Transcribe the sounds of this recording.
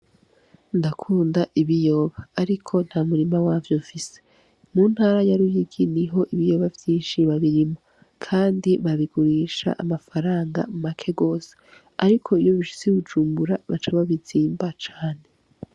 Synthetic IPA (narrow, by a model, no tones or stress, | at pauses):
ndakʰuːndaʔiβijo̞βaːɾikʰo̞n̥haːmuɾimawaːvjofise | mun̥haːɾajaɾujiɡiniɦo̞ʔiβijo̞βavjiːʃiβaβiɾimo̞ | kʰaːndiβaβiɡuɾiːʃa̰ʔamafaɾaːŋɡa̰mumakʰe̞ɡo̞ːse̥ | aɾikʰo̞ijo̞βiʃu̥seuβud͡ʒuːmbuɾaβat͡ʃaβaβiziːmbat͡ʃaːne̞